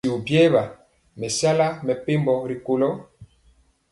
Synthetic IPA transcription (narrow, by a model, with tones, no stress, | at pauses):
u˨bjɛ˦βa˨ | mɛ˨sja˦la˦mɛ˨pe˦mbɔ˨ɾi˨ko˨lɔ˦